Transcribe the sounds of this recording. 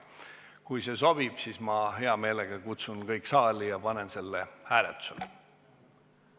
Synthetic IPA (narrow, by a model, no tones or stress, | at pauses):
kujse̞so̞b̥ib̥siːsmɑhe̞ɑme̞ːleɡ̥ɑkut̪sunkɤjkːˑsɑːlijɑpɑne̞nse̞lːehæːlet̪ːˑu̥se̞̰le